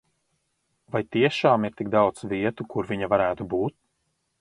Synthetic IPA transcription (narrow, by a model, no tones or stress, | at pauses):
vajt̪iɛʃaːmiɾt̪iɡ̚d̪awt̪sviɛt̪ukuɾviɲavaɾæːt̪ubuːt̪̚